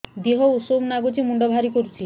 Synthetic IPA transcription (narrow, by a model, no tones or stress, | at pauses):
d̪iɦɔusomnaɡud͡ʒimuɳɖɔbʱaɾikoɾut͡ʃʰi